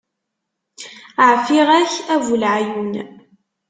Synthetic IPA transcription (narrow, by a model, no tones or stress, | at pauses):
əʕfiʁæçævulʕajun